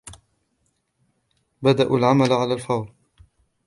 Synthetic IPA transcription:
bad̪aʔulʕamalʕalaːlfɑwɾ

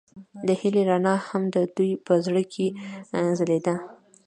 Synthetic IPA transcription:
d̪əhɪleɾɑnɑhamd̪əd̪ujpəzɽəkʰezəled̪a

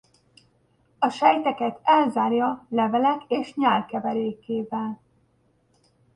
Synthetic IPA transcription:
ɒʃɛjt̪ɛkɛt̪ɛlzaːrjɒlɛvɛlɛkeːʃɲaːlkɛvɛɾeːkeːvɛl

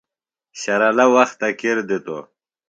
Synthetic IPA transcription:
ɕaɾalawaxt̪akeɾd̪it̪o̰

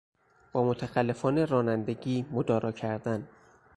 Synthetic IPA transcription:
b̥ɒːmot̪ʰæxælːe̞fɒːne̞ɾɒːnænd̪eɟiːmod̪ɒːɾɒːcʰæɾd̪æn

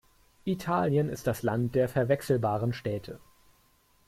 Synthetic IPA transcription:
ʔitʰaːljənɪstd̥aslant̚d̥eːɐfɛɐvɛksl̩baːʁənʃtɛːtʰə

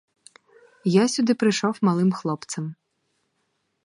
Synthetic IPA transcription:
jasʲʊd̪ɪpɾɪjʃɔwmɐlˠɪmxlˠɔpt̪sɐm

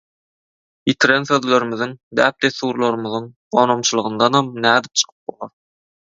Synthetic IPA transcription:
jit̪ʰiɾenθøðlʲeɾimiðɯŋd̪æːp̚d̪eθːuɾlˠɑɾɯmɯðɯŋ | oːnomt͡ʃʰɯlˠɯʁɯnd̪ɑnhɑmnæːd̪ip̚t͡ʃʰɯ̥qʰɯ̥p̚bo̰lˠɑɾ

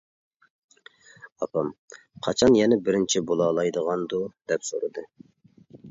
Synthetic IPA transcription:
ɑpʰɑm | qʰɑt͡ʃʰɑnjɛnɛbɪɾɪnt͡ʃʰibolˠɑːlˠɑjd̪əʁɑnd̪ud̪̥ɛpso̰ɾɨd̪ɨ

